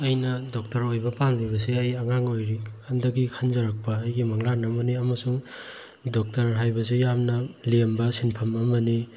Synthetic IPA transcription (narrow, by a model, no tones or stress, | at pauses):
ɐjnɐdok̚tɐɾojbɐpalibɐs̬eɐjɐŋaŋojɾikʰandɐɡikʰanzɐɾak̚pɐːjɡimɐŋlanɐmɐniɐmɐsuŋ | dok̚tɐɾɦajbɐs̬ujamnɐlembɐsinpʰɐmɐmɐni